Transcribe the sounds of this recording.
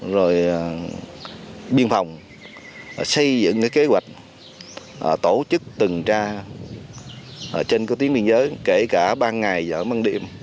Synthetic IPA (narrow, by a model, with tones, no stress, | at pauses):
zo˨˩j | ɓi˧ənfa˨˩wŋ͡m | sə˧jzɨ̰˧˨ŋkaː˨˦jke˨˦zwa̰˨˩jk̟̚ | t̪o˧˩t͡ɕɨ˦˥k̚t̪ɨ˨˩ŋt͡ɕaː˧˨˩ | t͡ɕe˧nkaː˨˦t̪i˨˦əŋɓi˧ənzəː˨˦jke˧˩kaː˧˩ɓaː˧ŋa˨˩jzə̰ː˧˩ma˧nɗḭ˧˨əm